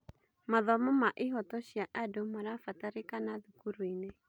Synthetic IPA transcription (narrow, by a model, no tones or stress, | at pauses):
maðɔmɔmaʔiɦɔtɔʃiaʔadɔmaɾafataɾikanaðukuɾuinɛ